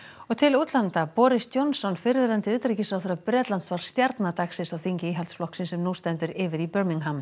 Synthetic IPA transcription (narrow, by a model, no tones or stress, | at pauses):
ɔɣt̪ʰɪlut̪lant̪apɔːɾɪst̪jɔwnsɔnfɪɾvɪɾant̪ɪʏːt̪ɾicɪsawθʏɾapɾɛːt̪lant̪svaɾ̥st̪jaɾt̪nat̪aksɪsawθiɲcɪiːɦɛlt̪sflɔhksɪnsɛmnust̪ɛnt̪ʏɾɪːvɪɾipœɾmiŋɦam